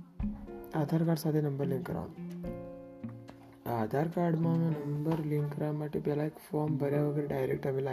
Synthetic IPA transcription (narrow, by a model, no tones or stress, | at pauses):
ad̪ʱaɾkaɾɖsat̪ʰenəmbəɾlĩŋkːəɾa̰ | ad̪ʱaɾkaɾɖmamenəmbəɾliŋkːəɾamaʈːepjalaekfɔɾmbəɾjaʋəɡəɾɖajɾek̚ʈamila